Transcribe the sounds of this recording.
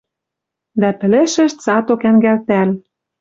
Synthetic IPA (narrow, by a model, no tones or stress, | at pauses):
d̪æpɘ̆lĕʃɘ̆ʃt̪sɑt̪okæŋɡælt̪æl